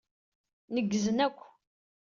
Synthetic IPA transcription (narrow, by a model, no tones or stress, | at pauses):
nəɡːəzənækʷː